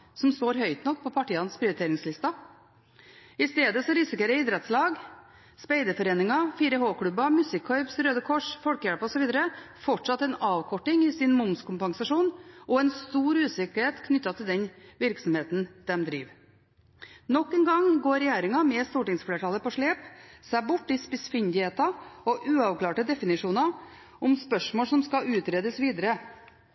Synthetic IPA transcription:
sɔmst̪oːɾhœʏt̪nɔk̚ːpʰɔpʰɑʈiːɑnspʰɾɪʊɾɪt̪ʰeːɾɪŋslɪst̪ɑ | ɪst̪eːd̪əsɔɾɪsɪkəɾəɪːd̪ɾɛt̪slɑːɡ | spæɪd̪əfɔɾeːnɪŋɑfiːɾəɦoːkʰɽʉbɑmʉsɪkʰːœʏbsɾøːd̪əkʰɔʂfɔlkəjæɽpəɔsɔʋiːd̪əɾə | fɔʈʂɑt̪ːɛnɑːʋkʰɔʈːɪŋɪsɪnmʊmskʰʊmpɑŋsɑʂuːnɔɛnst̪uːɾʉːsɪkəɾheːt̪kʰnʏt̪ːɑt̪ʰɪld̪ɛnʋɪɾksɔmheːt̪n̩d̪̥ɛmd̪ɾḭːʋ | nɔkːɛnɡɑŋɡoːɾɛjæːɾɪŋɑmɛst̪uːʈɪŋsfleːʈʰɑːləpɔʂɭeːpsæɪbʊʈːɪspɪsfɪnd̪ɪheːt̪ɑɔʔʉːɑʋklɑːʈəd̪ɛfɪnɪʂuːnɑ | ɔmspœʂmoːlʂɔmskɑʉːt̪ɾeːd̪əsʋiːd̪əɾə

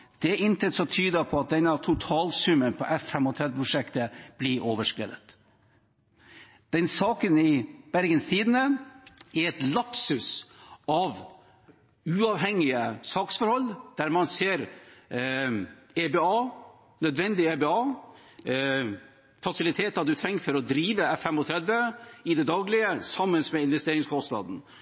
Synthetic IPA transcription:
d̪̥ɛʔɪnt̪ʰɛt̪sɔt̪ʰyːd̪əpʰɔɑt̪̚d̪ɛnːɑt̪ʰʊt̪ʰɑːlsʉmənpʰɔ̰ʔɛfːɛmɔt̪ʰɾɛd̪ʋəpʰɾʊʂɛkt̪əb̥lɪɾʔoːʋəʂkɾḛːd̪ət̪ | d̪̥ɛnsɑːkənɪb̥æɾɡənst̪ʰiːd̪ənəɛɾɛt̪lɑpsʉsɑʋ | ʉːɑʋɦɛŋːɪəsɑːksfɔɾhɔlːd̪̥æːɾmɑnseːɾ | ebeɑː | nœd̪ʋɛnd̪ɪebeɑː | fɑsɪlɪt̪ʰeːt̪ɑd̪ʉt̪ʰɾɛŋːfɔɾɔd̪ɾiːʋəɛfɛmɔt̪ʰɾɛd̪ʋəɪd̪ɛd̪ɑːɡlɪəsɑmːənsmɛɪnʋɛst̪eːɾɪŋskʰɔst̪nɑ̰ːd̪n̩

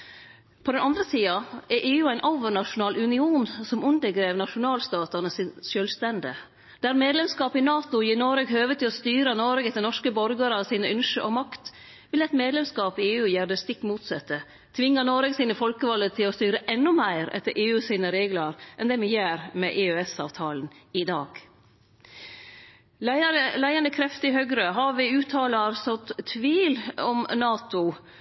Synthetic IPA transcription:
pʰɔd̪ɛnɑnd̪ɾəsiːɑɛɾʔeːʉːæɪnʔoʊʋəɳɑʂʊnɑːlʉnɪuːnsɔmʉnd̪əɾɡɾeːʋnɑʂʊnɑːlst̪ɑːt̪ɑnəsɪnʃøːlst̪ɛnd̪ə | d̪̥æːɾmeːd̪lɛmskɑːpɪnɑːt̪ʊjiːnɔɾɛɡɦøːʋət̪ʰːɪlɔst̪yːɾənɔɾɡɛt̪ːənɔʂkəbɔɾɡəɾɑsiːnəʉnʂəʔɔmɑkt̪ | ʋɪlɛɪt̪meːd̪lɛmskɑːpɪeːʉːjæːɾd̪əst̪ɪkːmuːt̪sɛt̪ːə | t̪ʰʋɪŋːənɔɾɛɡsiːnəfɔlkəʋɔld̪ət̪ʰɪlɔst̪yːɾəʔɛnːʊmæɪɾɛ̰t̪ːəɾʔeːʉːsiːnəɾeːɡləɾʔɛnd̪ɛmɛjæːɾmɛʔeøɛsɑ̰ːʋt̪ʰɑːlən̩ɪd̪ɑːɡ̥ | əlæɪɑnəkʰɾɛft̪ɪɦœɡɾəɦɑʋɪʉːt̪ʰɑːlɑɾsɔt̪t̪ʰːʋiːlɔmnɑːt̪ʊ

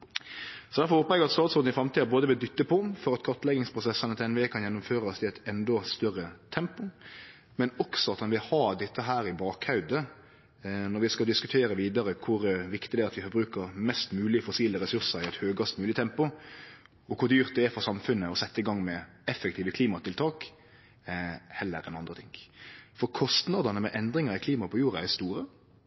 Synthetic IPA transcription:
sɔd̪æɾfɔɾhoːpəʁɛɡɾɑt̪sɑːd̪sfɔɾd̪n̩ɪfɾɑmt̪ʰiːd̪əboːd̪əʋɪld̪ʏt̪ːəpʰɔfɔɾɑt̪kʰɔʁt̪lɛɡɪŋspʰɾʊsɛsːənət̪ʰɛnʋeːkʰɑnjɛnːʊmføːɾɑɔsɪɛt̪ɛnd̪ɔst̪œɾət̪ʰɛmpʊ | mɛnɔksɔɑt̪ɑnʋɪlhɑːd̪ɛt̪ːəɦæːɾɪbɑːkhɑʉd̪ə | nɔɾʋɪskɑld̪ɪskʉt̪ʰeːɾəʋiːd̪ɑɾəkʰʊɾʋɪkt̪ɪd̪ɛæɑt̪ʋɪfɔɾbɾʉːkəɾmɛst̪mʉːlɪəfɔsiːləɾɛsʉɾsəɾɪɛt̪høːɡɑst̪mʉːlɪt̪ʰɛmpʊ | ɔkʰʊd̪yːʁt̪̚d̪ɛæfɔʁsɑmfʉnːəɔsɛt̪ːəɪɡɑŋːmɛ | ɛfːɛk̚t̪ʰiːʋəkʰliːmɑt̪ɪlt̪ʰɑːk | hɛlːə̰ɾɛnɑnd̪ɾət̪ʰɪŋfɔɾkʰɔst̪nɑːd̪ɑnəmɛʔɛnd̪ɾɪŋɑɾɪkʰliːmɑpʰɔjuːɾɑæst̪uːɾə

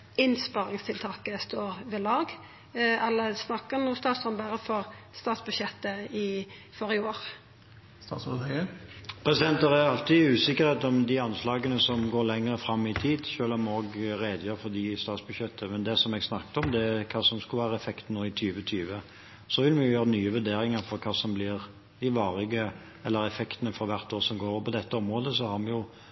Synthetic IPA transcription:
ɪnspɑːɾɪŋst̪ʰɪlt̪ʰɑːkəst̪oːɾʋɛlɑːɡ | ɛlːəsnɑkːənuːst̪ɑːt̪sɔmbæɾəfɔʁ | st̪ɑːt̪sbʉd̪ʃjɛt̪ːəɪfɔɾɪoːɾ | st̪ɑ̰sɔd̪ɛəpʰɾɛsɪd̪ɛnt̪əɾæɑlt̪ɪʉːsɪkːəɾheːt̪ɔmd̪ɪɑnslɑːɡənəsɔmɡoːɾlɛŋəɾəfɾɑmːɪt̪ʰiːd̪ʃøːlɔmoːɡɾeːd̪jøɾfɔɾd̪ɪst̪ɑːt̪sbʉɕjɛt̪ʰːəmɛnd̪ɛsɔmɛɡsnɑk̪ːɔmd̪ɛækʰɑːsɔmsklʋæːɾəɛfɛkt̪nuːɪt̪ʰyːʋət̪ʰyːʋə | sɔʋɪlmɛjʊjøːɾənyːəʋʉd̪eːɾɪŋəɾfɔɾkʰɑːsɔmblɪːʁ | d̪ɪʋɑːʁɪɡə | ɛlːəɾɛfɛkt̪ənəfɔɾʋæɾt̪oːɾsɔmɡoːɾɔpʰɔd̪ɛt̪ːəɔmʁoːd̪əsɔhɑɾmɛjʊ

